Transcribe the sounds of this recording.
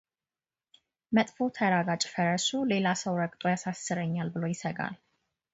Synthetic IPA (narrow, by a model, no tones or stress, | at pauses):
mət̪ʼfo̞t̪ʰəɾaɡat͡ʃʼfəɾəsule̞lasəwɾəkʼt̪ʼojasasːɨɾəɲːalbɨlo̞jɪsəɡa̰l